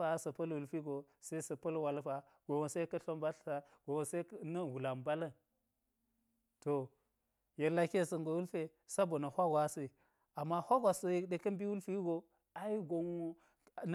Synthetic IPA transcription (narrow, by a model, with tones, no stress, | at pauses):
a˦sɐ˨pɐ˦lwu˨lfi˦ɡo˨ | se˦i˦sɐ˨pɐ˦lwa˨lfa˨ | ɡ̥o˨wo˨se˦kɐ˦ɬo˦mba˦ɬsa˨ɡ̥o˨wo˨se˦nɐ˦wu˨la˨mba˦lɐ˦ | to˨ | je˨la˦ki˦e˦˨sɐ˨ŋɡo˨wu˦lfe˨ | sa˦bo˨na˨hʷa˦ɡʷa˨˦se˦i˨ | a˨mːa˦hʷa˦ɡʷa˨so˨ji˦ɗe˨kɐ˦m˦bi˦wu˦lfi˦ɡo˨ | a˨i˦ɡo˨ŋo˦˨ | n˦